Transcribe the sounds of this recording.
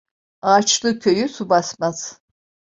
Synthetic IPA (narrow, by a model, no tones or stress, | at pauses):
aːt͡ʃlˠɯkʲʰøjysubasmaz̥